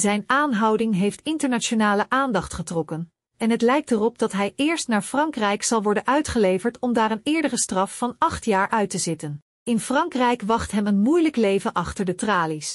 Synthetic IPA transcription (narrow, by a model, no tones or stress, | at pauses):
zɛjnaːnɦɑwdɪŋɦejftɪntəɹnat͡ʃonaːləʔaːndɑχtχətrɔkən | ɛnɦətlɛjk̚tərɔp̚d̥ɑtɦɛjɪːɹstnaːɹfrɑŋkrɛjksɑlˠʋɔɹdənʔœɥtχəlejvəɹtɔmdaːɾənɪːɹdərəstrɑfːɑnɑχtjaːɹʔœɥtəzɪtən | ɪnfrɑŋkrɛjkʋɑχtɦɛmənmujləklejvənʔɑχtəɹdətraːlis